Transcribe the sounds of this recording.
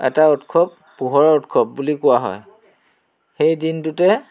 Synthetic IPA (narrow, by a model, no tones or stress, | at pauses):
ɛ̰tautkʰɔp̚ːuɦɔɹɔɔtkʰɔp̚bulikʊwaɦɔ̰j | xejdintutɛ